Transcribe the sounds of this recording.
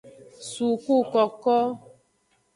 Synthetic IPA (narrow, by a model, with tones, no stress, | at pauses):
su˨ku˦kɔ˨kɔ˦